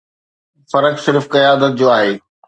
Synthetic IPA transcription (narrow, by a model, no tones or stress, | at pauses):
fɐɾəksɪɾfkɐjaːd̪ət̪̚d͡ʑoːaːɦeː